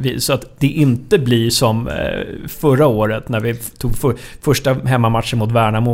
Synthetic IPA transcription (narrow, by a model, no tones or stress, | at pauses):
vɪsɔat̪d̪̥ɛʔɪnt̪əblɪʂɔm | fœɾaoːɾət̪næɾvɪt̪ʰuːɡf | fœʂʈaɦɛmːamat̪ʂənmʊt̪væːɳamʊ